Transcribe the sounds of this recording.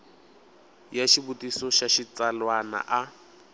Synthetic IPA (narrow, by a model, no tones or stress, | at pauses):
jaʃibutʼisɔʃaʃit͡salwana̰ʔa